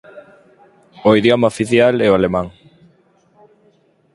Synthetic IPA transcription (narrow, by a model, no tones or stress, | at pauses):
oiðjomaofiθjalɛoalemãŋ